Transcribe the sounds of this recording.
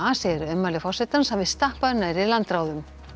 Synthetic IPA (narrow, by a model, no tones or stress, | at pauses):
aːsɛɾœmːalɪfɔsɛt̪anshavɪðst̪ahpaðʏnːaiɾɪðlant̪ɾaːwðʏm